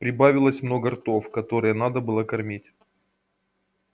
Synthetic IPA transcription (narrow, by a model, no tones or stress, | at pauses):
pɾʲɪbavʲɪlˠəsʲmno̞ɡərt̪o̞fkɐt̪o̞ɾɨjənad̪əbɨlˠəkɐrmʲitʲ